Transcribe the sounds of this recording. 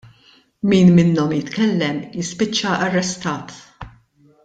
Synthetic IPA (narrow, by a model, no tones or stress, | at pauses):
miːnmɪnːɔmjɪt̪kɛlːɛmjɪspɪt͡ʃːɐʔɐrːɛst̪ɐːt̪